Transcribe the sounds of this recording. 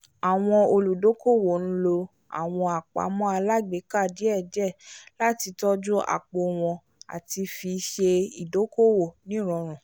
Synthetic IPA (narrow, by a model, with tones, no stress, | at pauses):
a˨w̃ɔ̃˧o˧lu˨do˨˦ko˦˨wo˨ñ̩˦lo˧ | a̰˨w̃ɔ̃˧a˨k͡pa̰˨˦mɔ̃˦a˧la˦ɡ͡be˨˦ka˦˨di˨˦ɛ˦˨d͡ʒɛ˦˨la˦ti˧tɔ˦d͡ʒu˦a̰˨k͡po˨w̃ɔ̃˨˧ | a̰˨ti˧fi˧ʃe˧i˨do˨˦ko˦˨wo˦˨nĩ˨˦˨ɾ̃ɔ̃˨˧˦ɾ̃ũ˨